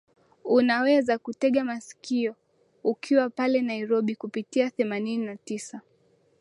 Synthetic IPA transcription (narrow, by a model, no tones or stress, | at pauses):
unawɛzakutɛɠamasi̥kiɔ | ukʰiwapalɛnaiɾɔɓikupitiaθɛmanininatisa